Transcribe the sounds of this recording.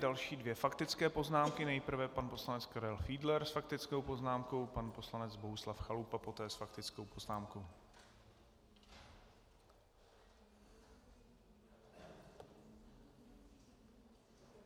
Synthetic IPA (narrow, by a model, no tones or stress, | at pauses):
dalʃiːdvjɛfakt̪ɪt͡skɛːpo̞znaːmkɪnɛjpr̩vɛpanpo̞slanɛt͡skaɾɛlfiːdlɛɾsfak̚t̪ɪt͡sko̞wpo̞znaːmko̞wpanpo̞slanɛd͡zboɦuslafxalupapo̞t̪ɛːsfak̚t̪ɪt͡skowpo̞znaːmkow